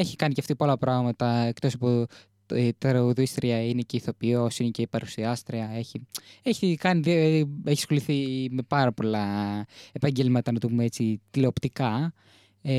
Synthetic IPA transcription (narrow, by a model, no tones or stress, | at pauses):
eçi̥kɐniceɐft̪ipolpɾɐɣmɐt̪ɐekt̪o̞sɐpo | t̪ɾɐuðuist̪ɾiɐine̞ce̞iθo̞piosinece̞ipɐɾusiɐst̪ɾiɐe̞çieçikɐniðeçi̥sxo̞liθime̞pɐɾɐpo̞lɐepɐɲɟe̞lmɐt̪ɐnɐt̪upumeet͡sit̪ileopt̪ikɐ